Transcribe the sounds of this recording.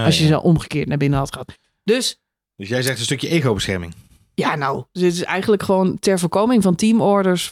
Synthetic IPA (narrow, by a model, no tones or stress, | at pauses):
ɑsjəzə̰ʔɔmχəkɪːɹtnabɪnəɦɑtχəɑt | d̥øs | dəsjɛjzɛχtən̩stɵkjəʔejɣowbəsχɛ̰ɹmɪ̰ŋ | jaːnawɪtɪsɛ̰jχənələkχəʋoːntɛɹvʊːɹkowmɪŋvɑntimɔɹdəɹs